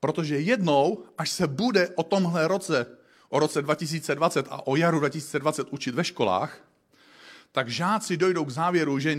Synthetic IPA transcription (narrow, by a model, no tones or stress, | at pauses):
pɾot̪o̞ʒɛjɛdnowʔaʃsɛbudɛʔot̪o̞mɦlɛɾot͡sɛ | ʔoɾo̞t͡sɛdvacɪs̬iːt͡sɛdvat͡sɛt̪a̰ʔojaɾudvacɪsiːt͡sɛdvat͡sɛt̪ʔut͡ʃɪt̪vɛʃko̞la̰ːx | t̪aɡʒaːt͡sɪdo̞jdo̞wɡzaːvjɛɾuʒɛ